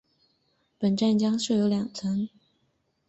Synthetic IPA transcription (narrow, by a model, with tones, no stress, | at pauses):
pə˨˩nʈ͡ʂa˥˩nt͡ɕjɑ˥ŋʂɻ̩˥˩jo˧˥ʊljɑ˨˩ŋt͡sʰə˧˥ŋ